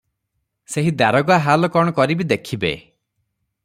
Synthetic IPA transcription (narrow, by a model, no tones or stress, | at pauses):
seɦid̪aɾɔɡaɦalɔkɔɽ̃ɔkɔɾibid̪ekʰibḛ